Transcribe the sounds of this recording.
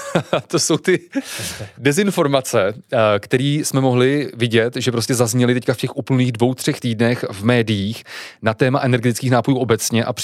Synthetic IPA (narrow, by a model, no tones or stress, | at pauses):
t̪o̞so̞wt̪ɪ | dɛzɪnfo̞ɾmat͡sɛkt̪ɛɾiːsmɛmo̞ɦlɪvɪɟɛt̪ʒɛp̬ɾo̞scɛzazɲɛlɪt̪ɛckafcɛxʔuːpl̩niːɣdvo̞wt̪r̝̥ɛxt̪iːdnɛxvmɛːdɪjiːxnat̪ɛːmaʔɛnɛɾɡɛt̪ɪ̥t͡sskiːxnaːpo̞juːʔo̞bɛt͡sɲɛʔap